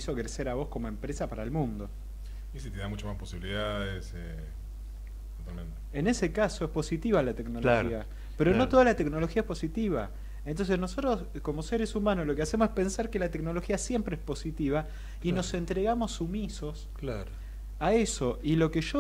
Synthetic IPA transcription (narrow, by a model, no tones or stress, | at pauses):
isokɾeseɾaβo̞sko̞moempɾesapaɾaelmũnd̪o̞ | isit̪eðamut͡ʃamaspo̞siβiliðaðese | t̪ot̪almẽnt̪eene̞sekaso̞espo̞sit̪iβalat̪e̞knoloxia | peɾoot̪o̞ðalat̪e̞knolo̞xiaehpo̞sit̪iβa | ent̪o̞ns̬e̞sno̞sot̪ɾo̞s | komo̞seɾesumãnoslo̞kease̞mosehpe̞nsaɾkelat̪e̞kno̞lo̞xiasje̞mpɾeespo̞sit̪iβa | ino̞sent̪ɾeɣamo̞sumiso̞sklaɾ | aeso̞ʔilo̞keʒo